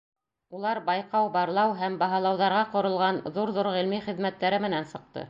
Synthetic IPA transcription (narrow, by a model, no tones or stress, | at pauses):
ulˠɑɾbɑjqɑwbɑɾlˠɑwɦæmbɑɦɑlˠɑwðɑɾʁɑqŏɾɤ̆lˠʁɑnðuɾðuɾʁĭlmiχɘ̆ðmæt̪ːæɾɘmɘ̆nænsɤ̆q̚t̪ɤ̰